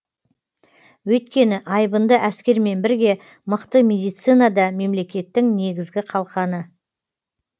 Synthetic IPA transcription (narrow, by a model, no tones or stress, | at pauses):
wɵjt̪̚kʲe̞nɪʔɑjbənd̪əʔæskʲe̞ɾme̞nbɪɾɡʲe̞ | məqt̪əmʲe̞d̪ijt̪sijnad̪ɑme̞mle̞kʲe̞t̪ːɪŋne̞ɡʲɪzɡʲɪqʰɑlˠqɑnə